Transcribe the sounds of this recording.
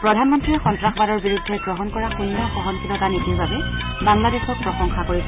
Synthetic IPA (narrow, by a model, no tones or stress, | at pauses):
pɹɔdʱanmɔntɹiɛxɔntɹaxbaɾɔɹbiɹudʱːɛɡɹɔɦɔnkɔɹaxundaxɔɦɔnkilɔtanitiɹbabɛ | baŋladexɔt̚pɹɔsɔŋxakoɹisɛ